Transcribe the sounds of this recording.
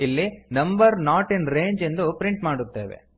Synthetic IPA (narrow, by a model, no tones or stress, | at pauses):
ilːinɐmbɐɾnaːʈinɾeːɲd͡ʒend̪upɾɪɳʈmaːɽut̪ːeːʋḛ